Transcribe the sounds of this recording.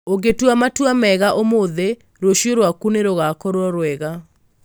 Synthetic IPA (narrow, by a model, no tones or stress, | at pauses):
oɡetwamatwamɛɣaʔomoðe | ɾoʃioɾwakuneɾoɣakɔɾɔɾwɛɣa